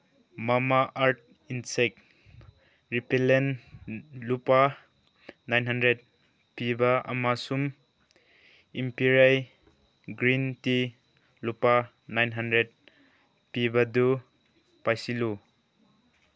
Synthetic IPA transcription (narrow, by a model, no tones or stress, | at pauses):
mamaʔaɾt̚ | insek̚ | ɾipelen | lupa | najnɦandɾed̚ | pibaɐ̰masum | impiɾaj | ɡɾinti | lupa | najnɦandɾed̚ | pibadu | pajsilu